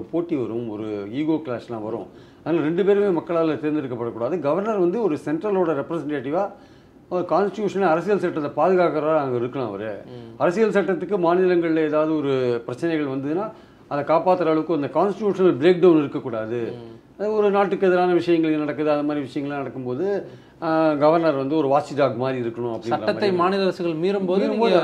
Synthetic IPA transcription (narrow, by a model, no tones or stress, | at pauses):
ɔɯpoːʈːiʋɐɾʊ̃mɔ̰ɾɯiːɣoːkɭaːslã̰ːʋɐɾʊ̰̃ | ɐðnaːɾɛɳɖɯpeːɾɯmeːmɐkːɐɭaːlɐt̪eːɾnd̪ɪɾɯkːɐpːɐɽɐkːuːɽaːðɯɡɐʋɐɾnɐɾʋɐnd̪ɯɔɾɯsɛɳʈɾɐloːɽɐɾɛpːɾɐsɛɳʈeːʈɪʋaː | kaːnsʈɪʈjuːʂɐnɐɐɾɐsɪjɐlsɐʈːɐt̪ːɐpaːðɯɣaːkɐɾɐaaːŋɡɐɪɾɯkːɐlã̰ːɐ̰ʋɐɾɯɐɾɐsɪjɐlsɐʈːɐt̪ːɯkːɯmaːnɪlɐŋɡɐɭɪlɐɛːðaːʋɐðɯɔɾɯpɪɾɐt͡ʃːɐnɛɪɣɐɭʋɐnd̪ɐðɯnaː | ɐðɐkaːpaːt̪ːɯɾɐɐɭɐʋɯkːɯɐnd̪ɐkaːnsʈʈjuːʂɐnɐlbɪɾeːk̚ɖɐʊnɪɾɯkːɐkːuːɽaːðɯ | ɐɔɾɯnaːʈːɯkːɯɛðɐɾaːnɐʋɪʂɐjɐŋɡɐɭnɐɽɐkːɯðɯɐðɐmaːd̪ɾiʋɪʂɐjɐŋɡɐɭãnɐɽɐkːɯmpoːðɯ | ɡɐʋɐɾnɐɾʋɐnd̪ɯɔɾɯʋaːt͡ʃːɖaːɡmaːd̪ɾiɪɾɯkːɐɳʊ̃ɐpːɐɽɪnsɐɐːɐt̪ːɐɪmaːnɪlɐɐɾɐsɯɣɐɭmiːɾɯmmpoːðɾɯmpoː